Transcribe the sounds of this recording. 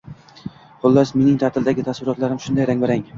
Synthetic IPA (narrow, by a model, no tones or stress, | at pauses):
χʊlˠːasme̞nɪŋt̪ʰaɾt̪ʰɪld̪aɡʲɪt̪ʰasvɪɾɒt̪laɾɪmʃʊnd̪ajɾaŋvaɾaŋ